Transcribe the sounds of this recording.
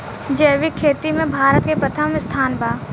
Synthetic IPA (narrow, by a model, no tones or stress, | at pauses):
d͡ʒeːʋɪkʰːeːt̪imẽbʱaːɾət̪kepɾɐt̪ʰəmɪst̪ʰaːnbaː